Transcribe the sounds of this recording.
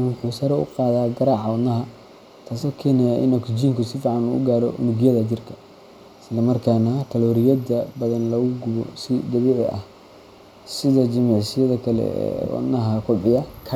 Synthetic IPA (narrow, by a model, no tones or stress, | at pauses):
wʊħuːsɐɾɛʊ̰qɑːðaːɡɐɾɑːʕɑwɑd̪nɐɦɐ | t̪ʰaːsɔkʰɛːnɛjaʔɪ̰nɔkd͡ʒiːŋkʰʊsɪfiːʕɑnṵːʊ̰ɡaːɾɔʔʊ̰nɪɡjɐðɐd͡ʒɪrkʰɐ̥ | ɪslɐmɐrkʰaːnaːt̪ʰɐlɔːɾɪjɐd̪ɐbɐðɐnlɐɣʊɡʊβɔ̰sɪd̪ɐβɛːʕɪʔɐ̰h | sɪðɐd͡ʒɪmɪʕsɪjɐðɐkʰɐlɛ̰wɑ̰d̪nːɐɦɐkʰʊʕɪjɐkʰɐ